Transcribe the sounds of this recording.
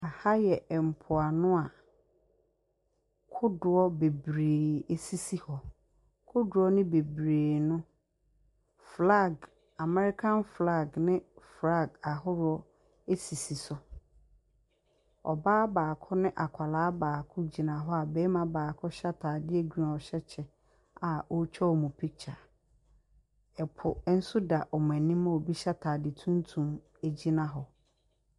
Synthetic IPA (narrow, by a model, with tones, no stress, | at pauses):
a˨ha˦jɛ˨m̩˨pʰʊ˨a˨nʊ̃˦a˨ | kʰʊ˦dʊ˨ɔ˦be˨bɾeː˨e˨si˦si˦hɔ˨ | kʰʊ˦dʊ˨ɔ˦nɪ̃˦be˨bɾeː˨nʊ̃˦ | fla˦˨ɡ | a˨mɛ˦ɾɪ˦kʰã˦nfla˦˨ɡnɪ̃˦fla˦˨ɡa˨ɦʊ˦ɾʊ˦ɔ˦ | e˦si˨si˨sʊ˨ | ɔ̰˨baː˦baː˨kʰʊ˦nɪ̃˦ʔa˨kʷʰa˨laː˨˦baː˨kʰʊ˦d͡ʑi˨nã˨ɦɔ˦a˨bɛ˦mã˨baː˨kʰʊ˦ɕa˦tʰaː˨dɪ˦æ˨ɡu˦a˨ɔ˨ɕɛ˦t͡ɕʰɛ˨ | a˨o˦t͡ɕᶣʰɛ˦ɔ˨mũ˨pʰi˦k̚t͡ɕʰa˨ | ɛ˨pʰʊ˨˦n̩˦sʊ˦da˨ʔɔ˨m̃˨æ˨nĩ˦mã˦˨o˨bi˦ɕa˦tʰaː˨dɪ˨tʰũ˦ntʰũ˨m | æ˨d͡ʑi˦nã˨ɦɔ˨